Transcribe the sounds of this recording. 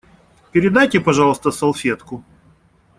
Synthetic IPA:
pʲɪɾʲɪd̪ajtʲɪpɐʐɑlˠəst̪əsɐlˠfʲet̪kʊ

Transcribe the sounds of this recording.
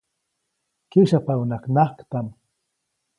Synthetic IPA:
kɪʃapawnaknakt̪am

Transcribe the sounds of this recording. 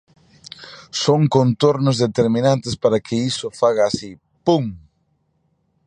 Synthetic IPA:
soŋkont̪oɾnʊzðet̪eɾminãnt̪espaɾakɪisʊfaɣaːsi | puŋ

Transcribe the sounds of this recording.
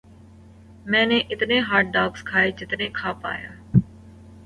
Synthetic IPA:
mɛ̃ːnẽːʔɪt̪nẽːɦaːʈ̚ɖaːkskʰaːeːd͡ʒɪt̪nẽːkʰaːpa̰ːjaː

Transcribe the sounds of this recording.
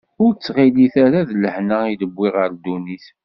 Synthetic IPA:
ʊɾt͡sːʁiliθaɾaðləħnaid̪əbʷːɪʁəɾd̪uniθ

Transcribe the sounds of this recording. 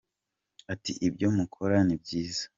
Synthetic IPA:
atiʔibɟomukʰoɾanib̚ɟiːzḁ

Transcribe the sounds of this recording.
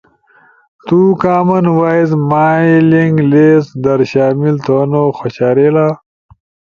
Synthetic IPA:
t̪uːkaːmɐnwaːizmaːiliŋɡleːsd̪ɐɾɕaːmilt̪ʰoːnoxoɕaːɾeːlaː

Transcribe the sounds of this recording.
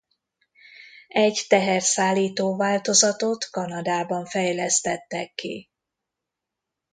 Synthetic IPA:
ɛɟt̪ɛɦɛrsaːlːiːt̪oːvaːlt̪o̞zɒt̪o̞t̪kɒnɒd̪aːbɒɱfɛjlɛst̪ɛt̪ːɛkːḭ

